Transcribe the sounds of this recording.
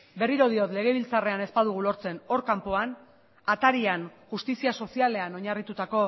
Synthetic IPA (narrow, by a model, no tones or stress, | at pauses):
be̞riɾo̞ð̞io̞t̪le̞ɣ̞e̞β̞ilt͡sare̞ane̞spaðuɣ̞ulo̞ɾt͡se̞no̞ɾkampo̞an | at̪aɾianxust̪isiaso̞siale̞ano̞ɲarit̪ut̪ako̞